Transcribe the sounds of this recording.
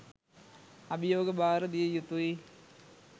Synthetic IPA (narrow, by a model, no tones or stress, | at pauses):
ɐbijoːɡɐbʱaːɾɐd̪ijɐjut̪ːui